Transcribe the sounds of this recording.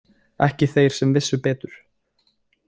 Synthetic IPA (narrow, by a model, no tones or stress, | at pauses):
ɛ̰hcɪθejɾ̥sɛmvɪsːʏpɛːt̪ʏɾ̥